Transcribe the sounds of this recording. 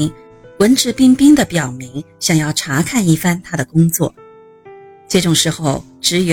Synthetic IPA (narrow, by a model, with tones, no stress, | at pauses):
ŋ | wə˧˥nʈ͡ʂɻ̩˥˩pi˥ŋpi˥ŋd̪ə˨pjɑ˨˩ʊmi˧˥ŋ | ɕjɑ˨˩ŋjɑ˥˩ʊʈ͡ʂʰa˧˥kʰa˥˧ni˥˩fa˥nt̪ʰa˥d̪ə˨kʊ˥ŋt͡swɔ̰˥˩ | ʈ͡ʂɤ˥˩ʈ͡ʂʊ˨˩ŋʂɻ̩˧˥xo˥˧ʊ | ʈ͡ʂɻ̩˧˥ɥ